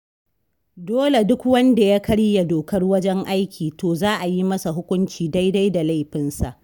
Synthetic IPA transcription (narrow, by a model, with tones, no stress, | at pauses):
doː˦le˨dʊ˦kwɐ˦nda˨ja˦kɐ˦ɽja˨doː˨kɐ˦rwɐ˦d͡ʒɛ˦ŋʔa˦jkʲʰiː˨toː˨zaː˦ʔa˨ji˦mɐ˦sa˨ɦʊ˦kʷʊ˦nt͡ʃiː˨da˦jda˦jda˨la˦jɸɪ˨nsa˨ʔ